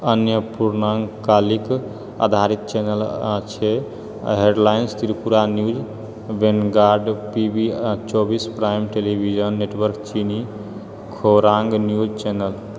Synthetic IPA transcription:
ənjəpuɾnaŋkalik | a̰d̪ʱaɾit̪t͡ʃɛnəlt͡ʃʰe | ɦeɖlajnst̪iɾpuɾanjud͡ʒ | benɡaɾɖpibit͡ʃɔbispɾaimʈelibʱid͡ʒənːeʈwəɾkt͡ʃini | kʰoɾaŋɡnjud͡ʒt͡ʃɛnəl

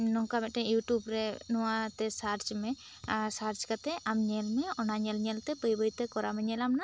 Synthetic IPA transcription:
nɔŋkamɛʈɛjuʈubɾɛnɔwat̪ɛsaɾt͡ʃmɛ | saɾt͡ʃkat̪ɛʔamɲɛlmɛɔnaɲɛlɲɛlt̪ɛbəjbəjt̪ɛkɔɾamɛɲɛlamna

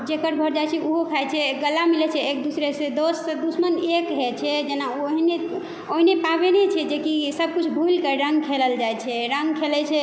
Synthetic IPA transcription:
d͡ʒekəɾbʱəɾd͡ʒajt͡ʃʰɛuɦokʰajt͡ʃʰɛɡəlːamilɛt͡ʃʰɛek̚d̪usɾesed̪osed̪usmənekɦet͡ʃʰɛd͡ʒenaooɦine | oɦinepabenet͡ʃʰɛd͡ʒekisəb̚kut͡ʃʰbʱulkəɾə̃ŋɡkʰeləld͡ʒajt͡ʃʰɛɾə̃ŋɡkʰelɛt͡ʃʰɛ

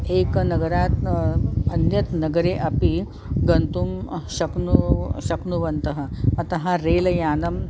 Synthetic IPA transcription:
eːknɐɡɾaːt̪ | ɐnjɐt̪nɐɡɾeʔɐpi | ɡɐnt̪umɕɐknuɕɐknuʋɐnt̪əɦəɐt̪ɐɦãɾeːljaːnɐm

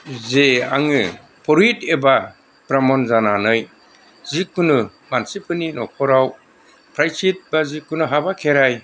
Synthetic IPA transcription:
zea̰ŋɯ | pʰɔɾiteba | pɾamɔnzananɯj | zikːunɯ | mansipʰɯninɔpʰɔɾaw | pʰɾajsit̚bazikunɯɦabakʰeɾaj

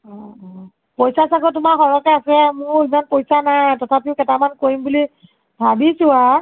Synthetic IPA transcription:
ɔ̃ | pojsasakɔtʊmaxɔɹɔkɛasɛmʊimanpojsanajtɔtʰapiʊkɛtamankoɹimbuli | bʱabisʊa

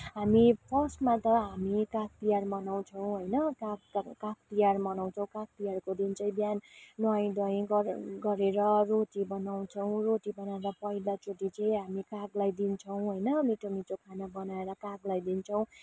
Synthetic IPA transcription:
ɦamipʰʌsmat̪ʌɦamikak̚t̪ijarmʌnaw̃t͡sʰʌw̃ɦʌjnʌkakkãk̚t̪ijarmʌnaw̃t͡sʰʌw̃kãk̚t̪ijarkod̪int͡sʌĩbjanːʌj̃d̪ʌj̃ɡʌɡʌɾeɾʌroʈibʌnaw̃t͡sʰʌw̃roʈibʌnaeɾʌpʌilat͡soʈit͡sʌj̃ɦamikaɡlajd̪int͡sʰʌw̃ɦojnʌmiʈʰomit͡sokʰanabʌnaeɾʌkaɡlajd̪int͡sʰʌw̃

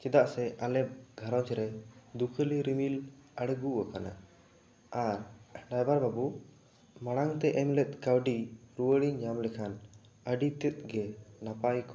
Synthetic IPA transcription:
t͡ʃɛd̪aʔsɛʔalɛb̚ɡʱəɾɔ̃t͡ʃɾɛd̪ukʰəliɾimiləɽɡuwakana̰ | aɾɖajbaɾbabu | maɽ̃aŋt̪ɛʔɛmlɛt̪̚ˀkawɖiɾuwəɽiɲamlɛkʰan | əɖit̪ət̪̚ˀɡɛnapajkɔ

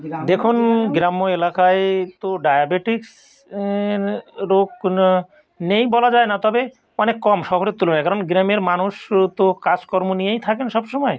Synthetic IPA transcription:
d̪ekʰunɡɾamːoelakaet̪oɖajabeʈiks | ɾok | nejbɔlad͡ʑaenat̪ɔbe | ɔnekːɔmʃɔɦoɾett̪ulomekaɾonɡɾemeɾmanuʃt̪okad͡ʑkɔɾmonijejt̪ʰakenʃɔbʃɔmɔe

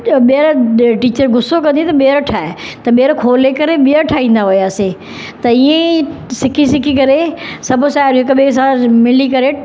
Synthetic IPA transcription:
ɓiəɾʈiːt͡ɕəɾɡʊsokɐ̃nd̪ĩt̪ɐɓiːəɾʈʰaːet̪ɐɓiːəɾkʰoːlekɐɾeɓiəɾʈʰaːĩːn̆d̪aɦʊjaːse | t̪ɐiẽsɪkʰisɪkʰikɐɾesɐbʱʊsaːɾɦɪkbesãmɪlikɐɾe

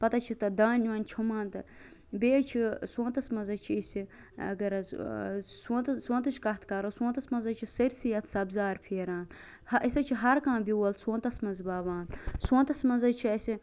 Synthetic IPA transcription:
pɐt̪ɐt͡ʃʰit̪ɐd̪aːnʲʋɐnt͡ʃʰumãːnt̪ɐ | beːt͡ʃʰisõːnt̪ɐsmɐnzɐt͡ʃʰiisʲi | ɐ̰ɡɐɾɐzsõːt̪ɐsõːnt̪ɐt͡ʃʰkɐt̪ʰkɐɾɐsõːnt̪ɐsmɐnzɐt͡ʃʰisɐɾsijɐt̪ʰsɐbzaːɾpʰeːɾãːn | ɐisɐt͡ʃʰiɦɐɾkãːmbiwɐlsõːnt̪ɐsmɐnzbaːʋãːnt̪sõːnt̪ɐsmɐnzɐt͡ʃʰiɐsʲi

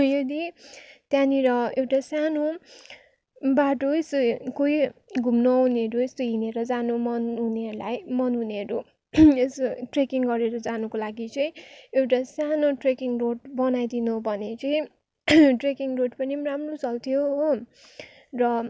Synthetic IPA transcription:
jed̪it̪jãniɾʌewʈasjano | baʈoest̪okoiɡʱumnʌwneɦʌɾuest̪oɦineɾʌd͡zanumʌnɦuneʌɾula̰jmʌnɦuneʌɾu | esʈrekiŋɡʌɾeɾʌd͡zanukolaɡit͡sʌĩewʈasjanoʈrekiŋroʈbʌnajd̪inobʱʌnet͡sʌĩ | ʈrekiŋroʈpʌniramrot͡sʌlt̪ʰijoɦo | rʌ

